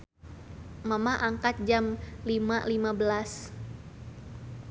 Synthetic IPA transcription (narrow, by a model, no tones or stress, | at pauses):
mamaʔaŋkat̪̚d͡ʒamlimalimabəlas